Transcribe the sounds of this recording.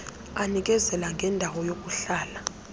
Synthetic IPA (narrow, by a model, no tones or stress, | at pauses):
anik̬ʼɛzɛlaŋɡʱɛndʱawɔjok̬ʼuɬaːla